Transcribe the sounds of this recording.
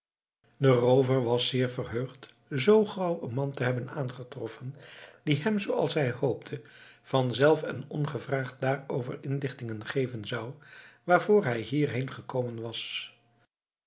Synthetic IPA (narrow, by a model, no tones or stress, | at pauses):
dərowvəɹʋɑsɪːɹvərɦøɥχt | zowχrɑwənmɑntəɦɛbənaːnχətrɔfənd̥iɦɛmzowɑ̰lˠsɦɛjhowp̚tʰəv̥ɑnzɛlˠfə̰nɔ̰nχəvraːχt̚daːrowvə̰ɹɪnlɪχtɪŋənχejvənzɑwʋaːɹvʊːɹɦɛjɦiːɹɦejnχəkoːmənʋɑs